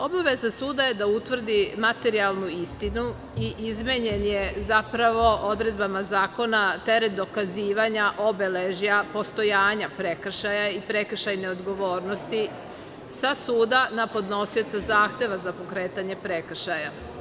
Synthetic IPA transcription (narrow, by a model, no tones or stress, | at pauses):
o̞baʋezasuːd̪aje̞d̪aut̪ʋr̩d̪imat̪e̞ɾialˠnuist̪inu | iʔizmeɲenjezapɾaʋo̞ʔo̞d̪ɾe̞d̪bamazaːko̞nat̪e̞ɾet̪̚d̪o̞kaziːʋaɲaʔo̞beleʒijapo̞st̪o̞jaːɲapɾekr̩ʃajaipɾe̞kr̩ʃajneod̪ɡo̞ʋo̞ːɾnost̪i | sasuːd̪anapo̞d̪no̞sio̞t̪sazaːxt̪e̞ʋazapo̞kɾeːt̪aɲe̞pɾekr̩ʃaja